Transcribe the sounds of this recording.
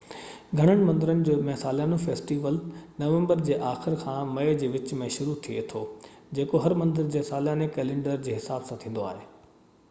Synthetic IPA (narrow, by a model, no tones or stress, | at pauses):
ɡʱɐɽ̃əɽ̃ɪ̆mɐ̃nd̪ɪɾənɪ̆d͡ʑoːmɛ̃saːljaːnofeːsʈiːʋəlnɐʋə̃mbəɾd͡ʑeːʔaːxɪɾkʰãːmɐjd͡ʑeːʋɪt͡ɕmẽʃʊɾut̪ʰiḛt̪ʰoː | d͡ʑeːkoɦɐɾmɐ̃nd̪əɾd͡ʑeːsaːlijaːnekɛːlẽːɳɖəɾd͡ʑeːɦɪsaːbsãt̪ʰĩːn̆d̪oaːɦeː